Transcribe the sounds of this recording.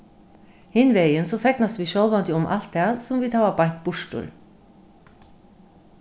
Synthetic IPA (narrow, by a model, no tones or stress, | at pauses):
hɪnʋeɪənsoːfɛknɑsʋiːʃœlʋɑnd̪ɪʊmʔɑ̰lt̪̚æːnsʊmʋiːt̪ʰɑːʋɑbɑŋk̚b̥ʊʃtṵːl